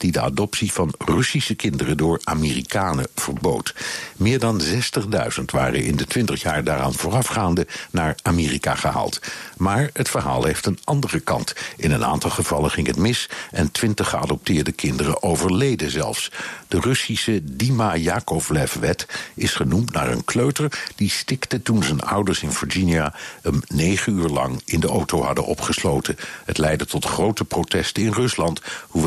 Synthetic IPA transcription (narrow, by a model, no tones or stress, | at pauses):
d̥idəa̰dɔpsiv̥ɑnrɵsisəkɪndərədʊːɹaːmiːrikaːnə̰v̥əɹbo̰wtmɪːɹdɑnzɛstəχdœ̰ɥz̥əntʋa̰ːrə̰ʔɪ̰ndətʋɪntəχjaːɹdaːra̰ːnvʊːrɑfχaːndənaːɹamɪːrika̰χəɦa̰ːlˠtmaːɹɦətfəɹɦa̰ːlˠɦejftənʔɑndərəkɑ̰ntɪnəna̰ːntɑlˠχəv̥ɑləχɪŋɦətmɪsʔɛntʋɪntəχəɑ̰dɔp̚tɪːɹdəkɪndərəʔowvəɹlejdəzɛ̰lˠfsd̥ərɵsisədimajaːkɔflɛfʋɛtɪsχənumtna̰ːɹə̰nkløɥtəɹd̥istɪktətunzənʌ̰wdəɹsɪnvəɹd͡ʒiniahəmnejχənyːɹlɑ̰ŋɪndəʔowtowɦɑdə̰nʔɔ̰pχəslowtəɦətlɛjdətɔtχrowtəprowtɛstəɪnrɵslɑnthuʋ